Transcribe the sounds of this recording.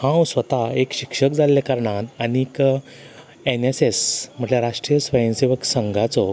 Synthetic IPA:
hãwsʋət̪aekɕikʂəkd͡zalːekəɾɳat̪anik | enesesm̤əʈljaɾaʂʈɾijəsʋəjə̃nseʋəksəŋɡʱat͡sɔ

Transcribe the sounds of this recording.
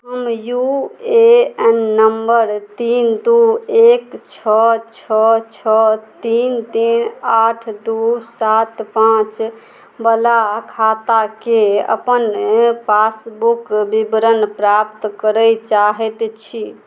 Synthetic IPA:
ɦəmjueɛnːəmbəɾt̪ind̪uekt͡ʃʰɔt͡ʃʰɔt͡ʃʰɔt̪int̪inaʈʰd̪usat̪pãt͡ʃ | bəlakʰat̪akeə̰pənpasbukbibɾənpɾapt̪kəɾət͡ʃaɦɛt̪t͡ʃʰi

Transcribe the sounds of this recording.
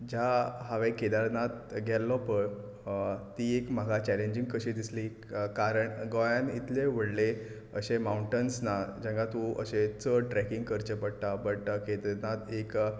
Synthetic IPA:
d͡ʑaɦaʋeked̪aɾnat̪ɡʱɛlːɔpəɽ | t̪iekm̤əɡʱat͡ɕɛleɲd͡ʑĩŋɡkəɕĩd̪isli | kaɾəɳɡɔjãnit̪leʋ̤əɽle | əɕemauɳʈənsnad͡ʑãŋkat̪ũə̰ɕet͡səʈɾɛkiŋɡkəɾt͡ɕəpəɽt̪abəʈked̪ɾnat̪ek

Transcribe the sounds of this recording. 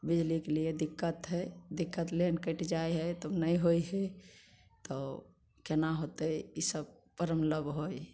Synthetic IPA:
bid͡ʒlikelied̪ikːət̪ɦɛd̪ikːət̪lenkəʈd͡ʒaeɦɛt̪ənəiɦoiɦɛ | t̪ɔ | kenaɦot̪əisəb̚ | pəɾəmləbɦoj

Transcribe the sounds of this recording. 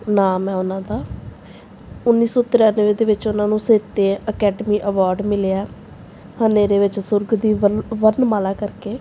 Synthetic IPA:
naːmɛ̃ːʊnãːd̪aː | ʊnːiːsɔːt̪ɪɾjaːnʋẽːd̪eːʋɪt͡ʃʊnãːnũːseːt̪eːəkɛːɖəmiːʔəʋaːɾɖmɪleaɛː | həmeːɾeːʋɪt͡ʃsʊɾɡd̪iːʋənmaːlaːkəɾkeː

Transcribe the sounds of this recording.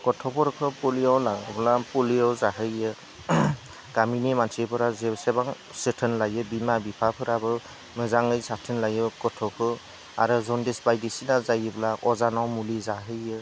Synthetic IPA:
kɔtʰɔpʰɔɾɔkʰɯpɔliawlaɡɯblapɔliɔwzaɦɯjɯ | ɡ̥aminimansipʰɯɾazɛsɛbaŋ | sɯtʰɯnlajɯbimabipʰapʰɯɾabɯ | mɯzaŋɯjsatʰɯnlajɯkɔtʰɔkʰɯ | a̰ɾɯzɔndisbajdisinazajɯbɯlaʔɔzanawmulizaɦɯjɯ

